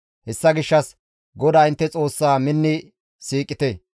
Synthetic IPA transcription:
hɛsːɐɡɪʃːɐs | ɡɔd̪aːɪnt̪ːɛt͡sʼo̞ːsːaːmɪnːɪ | siːkʼːɪt̪e

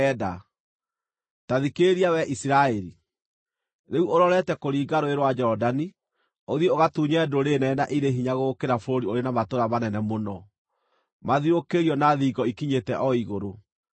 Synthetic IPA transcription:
ɛda | taðikeɾiawɛʔisiɾaɛɾi | neuʔoɾɔɾɛtɛkoɾiːɡaɾoeɾwad͡ʒɔdani | oðjɔoɣatuɲɛdoɾenɛnaʔiɾeɦiɲaɣokeɾafoɾoɾioɾenamatoɾaβanɛnɛmonɔ | maðiɾokeɾiɔnaðiɡɔikiɲetɛʔɔiɣoɾo

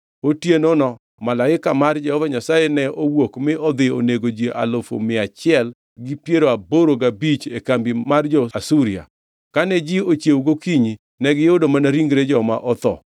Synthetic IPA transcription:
otjenonɔ | malaɪkamard͡ʒɛhɔvaɲasajɛnɛowokmɪʔɔd̪ɪo̰neɡod͡ʒiʔa̰lofo̰mɪat͡ʃɪɛl | ɡɪpjeɾoaboɾoɡabit͡ʃekambimard͡ʒɔasuɾia̰ | kanɛd͡ʒɪot͡ʃjewuɡokiɲi | nɛɡɪʊdomanaɾiŋɡɾed͡ʒɔma̰ʔɔt̪ɔ̰

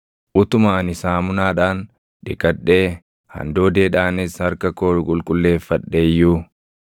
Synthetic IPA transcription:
ʔʊt̪ʊmaːnɪsaːmʊnaːᶑaːn | ᶑɪkʼɐᶑeː | hɐ̰nd̪oːd̪e̞ːᶑaːnɪshɐɾkɐko̞ːɾʊkʼʊlkʼʊlːe̞ːfːɐɗːeːjːu

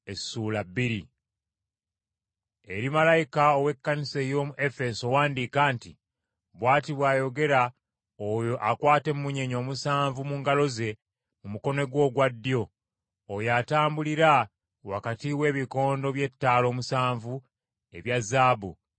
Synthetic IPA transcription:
e̞suːlabːiɾi | e̞ɾimalajikaowe̞kːanise̞jo̞ːmuʔe̞fe̞so̞waːndikaːntḭ | βwaːtiβwaːjo̞ɡe̞ɾa | ojoʔakwaːte̞mumuɲe̞ɲo̞ːmusaːɱvumuːŋɡalo̞ze̞ | mumuko̞no̞ɡwo̞ːɡwadːjo̞ː | jaːtaːmbuliɾa | wakatiwe̞ːβiko̞ːndo̞βje̞tːaːlo̞ːmusaːɱvu | e̞βjazaːbṵ

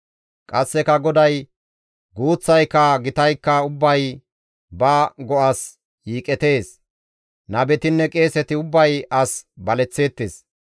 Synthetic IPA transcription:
kʼɐsːɛkɐɡɔd̪ɐj | ɡuːt͡sːɐjkːɐɡɪt̪ɐjkːɐʊbːɐj | bɐɡɔʔɐs | jiːkʼɛt̪e̞ːs | nɐbɛt̪ɪnːɛkʼe̞ːsɛt̪ɪʊbːɐjɐsbɐlɛt͡sːe̞ːt̪ːeːs

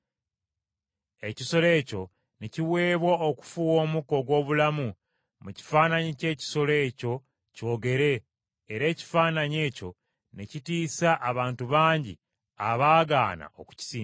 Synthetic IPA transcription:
e̞ciso̞le̞ːco̞ | neciwe̞ːβwaoku̥fuwo̞ːmuko̞ɡwo̞ːβulamu | muci̥faːnaɲice̞ːci̥so̞le̞ːco̞ | co̞ːɡe̞ɾe̞ː | ɾe̞ːci̥faːnaɲe̞ːco̞ | necitiːsaʔːβaːntuβaːɲɟḭ | a̰βaːɡa̰ːna̰ʔo̞̰ku̥ci̥siː

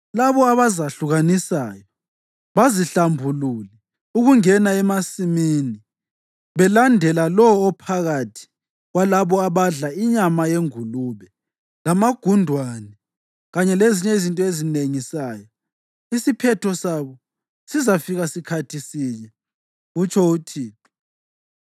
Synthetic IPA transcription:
laβɔaβazaɬuɣanisaːjɔ | βaziɬambʱululɛ | uɣuŋɛnaɛmasimiːni | βɛlandʱɛlalɔːpʰaɣatʰi̥ | ɣwalaβɔaβaɮaiɲamajeŋuluβɛ | lamaɡ̥ʱundʱwanɛ | ɣaɲɛleziɲɛizintʼɔezineŋisaːjɔ | isipʰɛtʰɔsaβɔ | sizafiɣasikʰatʰisiːɲɛ | ut͡ʃʰɔutʰi

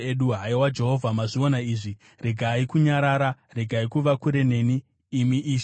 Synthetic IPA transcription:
eɗuɦaiwad͡ʒe̞ɦo̞vʱamaʐionaiːʐi | reɡʱaikuɲaɾaɾare̞ɡʱaikuʋakuɾe̞ne̞niː | miʔiːʃ

